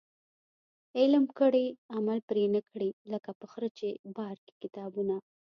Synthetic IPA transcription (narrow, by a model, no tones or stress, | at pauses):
eləmkəɽeamalpɾenəkɽiləkapəxɾət͡ʃebɑɾke̥kɪt̪ɑbuna